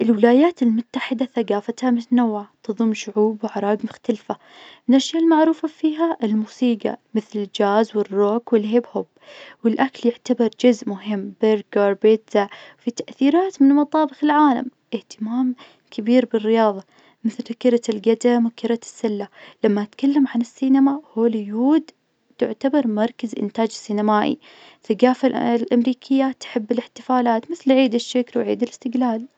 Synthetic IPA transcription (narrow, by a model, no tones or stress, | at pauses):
ʔɪlwɪlaːjaːt̪ɪlmʊt̪ːaħɪd̪aθaɡaːfat̪hamʊt̪anawʕat̪ɨðˤʊmʃʊʕuːbwɪʕɑɾˤɑːɡmʊxt̪alfa | mɪnʔaʃjalmaʕɾuːfafiːɦaʔɪlmuːsiːɡɑ̰mɪθlɪld͡ʒaːzwɪrːoːkwɪlɦeːbhʊb | wɪlʔakaljɪʕt̪abɑɾˤd͡ʒʊzʔmʊɦɪmːbɪɾɡɑɾˤbɪt̪zaʕwfit̪aʔθiːɾaːt̪mɪnmɑt̪ˤɑːbɪxɪlʕaːla̰mʔɪht̪ɪmaːm | kʰabiːɾbɪrːɪjɑːðˤɑ | mɪθlkɪɾˤalɡad̪amwkɪɾasːalːalamːaʔat̪kalːamʕanɪsːiːnamahoːlɪjuːd̪ | t̪ʊ̰ʕt̪abɑɾˤmɑɾˤkazʔɪ̰nt̪aːd͡ʒɪsːinamaːʔḭ | θaɡaːfallʔamɾiːkʰɪjːat̪ħɪbːɪlɪħt̪ɪfaːlaːt̪mɪθlʕiːd̪ɪʃːakɾwʕḭːd̪ɪlɪst̪ɪɡlaːl